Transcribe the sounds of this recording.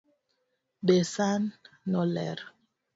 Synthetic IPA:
besanːɔlɛ̰ɾ

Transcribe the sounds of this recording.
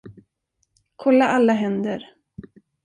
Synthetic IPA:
kʰɔlːaʔalːaɦɛnd̪əɾ

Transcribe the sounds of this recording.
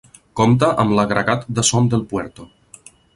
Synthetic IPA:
kɔmt̪̬əʔəmləɣɾəɣat̪d̪əsɔmd̪elˠpwɛɾt̪o

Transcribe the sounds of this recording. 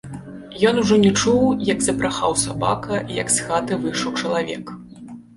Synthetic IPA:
jɔnuʐɔnʲɛt͡ʂuwjɐɡzɐpɾaxawsaba̰kɐijɐ̰ksxat̪ɨvɨʂɐwt͡ʂɐlˠavʲɛ̰k

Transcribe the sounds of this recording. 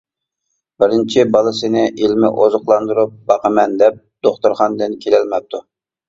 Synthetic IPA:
bɪɾɪnt͡ʃʰɪbɑlˠɨsɪnɪʔilmɪ̰ʔozʊqlˠɑnd̪uɾup̚bɑqəmɛnd̪ɛp̚d̪̥oχt̪uɾχɑnd̪ɪnkʲʰelɛlmɛp̚t̪ʰu

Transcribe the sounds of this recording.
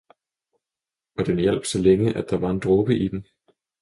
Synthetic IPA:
ɒ̽d̥enjɛl̰b̥sɒ̽leŋəʔæd̥ɑ̈ʋɑ̈e̝nd̥ʁɔb̥əʔid̥em

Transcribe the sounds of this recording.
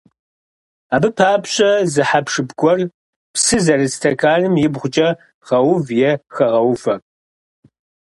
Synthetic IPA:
aːbɨpʰaːpɕʼɐzɨħapʂɨbɡʷʼɔr | psɨzɐrɨstʰɐkʰaːnɨmjɪbʁʷʊt͡ʃʼɐ | ʁɐwʊvjɛxɐʁɐwfɐ

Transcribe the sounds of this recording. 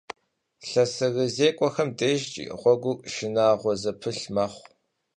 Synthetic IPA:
ɬɐsɨɣɨzeːkʷʼɔxɐmdʼeʒt͡ʃʼḭːʁʷɔɡʷʊʃɪnaːʁʷɔzɐpʰɨɬmaːχʷ

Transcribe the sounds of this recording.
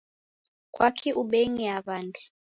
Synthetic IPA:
kwakʰiʔuɓɛŋiaβandʱi

